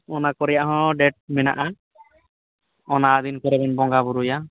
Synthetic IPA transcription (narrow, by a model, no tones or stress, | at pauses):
ɔnakɔɾɛjaʔɦɔ̃ɖɛʈ̚mɛna̰ʔa | ɔnad̪inkɔɾɛbɛnbɔŋɡabuɾuja